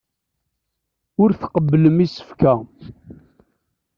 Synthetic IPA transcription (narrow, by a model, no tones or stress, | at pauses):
ʊɾθəqəbːələmisə̥fkæ